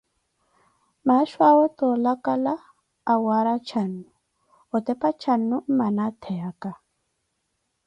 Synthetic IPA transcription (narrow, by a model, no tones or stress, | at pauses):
maʃwaɔtɔlakalaː | waɾat͡ʃʰanːu | ɔt̪ɛpat͡ʃʰanːumanat̪ʰɛaka